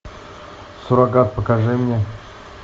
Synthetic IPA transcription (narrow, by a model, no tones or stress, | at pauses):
suɾaɡat̪̚pəkaʐɨmnʲe